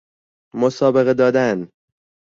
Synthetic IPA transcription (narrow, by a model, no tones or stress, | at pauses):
mosɒːbe̞ɣed̪ɒːd̪æn